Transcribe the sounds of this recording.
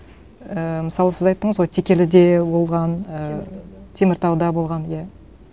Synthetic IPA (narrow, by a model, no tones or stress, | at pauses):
əmɪsɑlˠəsɪzɑjt̪ːəɴəzwo̞lˠt̪ʰekʲe̞lɪd̪e̞bo̞lˠʁɑnət̪ʰe̞mɪɾt̪ʰɑwd̪ɑbolˠʁɑnja